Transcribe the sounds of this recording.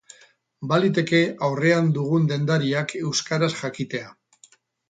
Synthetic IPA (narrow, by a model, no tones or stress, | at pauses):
balit̪̬e̞ke̞awre̞and̪uɣ̞und̪e̞nd̪aɾiakʰe̞wskaɾasʝakit̪e̞a